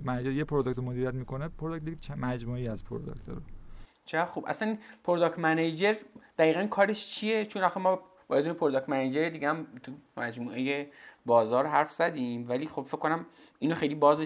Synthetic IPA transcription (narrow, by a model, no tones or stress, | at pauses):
mæed͡ʒeɾjepʰoɾod̪okt̪ʰomod̪iɾijæt̪miːkʰonepʰoɾod̪ok̚t̪̚d̪iɡt͡ʃʰmæd͡ʒmuːejæzpʰoɾod̪o̰kt̪ʰo̰ɾo | t͡ʃʰeɣæd̪xubʔæ̰sæninpʰoɾod̪ɒːkt̪mæned͡ʒeɾd̪̥æiːɣænkʰɒːɾeʃt͡ʃʰijet͡ʃʰonæxemɒː | bɒ̰ɾed̪uːnepʰoɾod̪ɒk̚t̪mæned͡ʒeɾed̪iɡeæmt̪ʰumæd͡ʒmuːe̞jebɒːzɒːɾɦæɾfz̥æd̪iːmvæliːxob̥fekʰkːonæm | iːnoxejlibɒːze